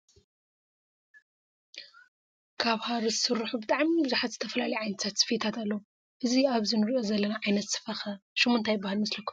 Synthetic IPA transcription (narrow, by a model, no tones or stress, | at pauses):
kʰaβhaɾɨsɨɾħubɨt̪ʼaʕmibɨzaħat̪z̥ɨt̪ʰɐfɐlalɐjʕajnt̪ʰat̪sɨ̥fet̪ʰat̪alːɐwu | ʔɨziaβzinɨɾiʔo̞zɐlːɐnaʕajnɐt̪sɨ̥fɐxɐʃɪmːont̪ʰajbahalmɨslɐkʰːu̥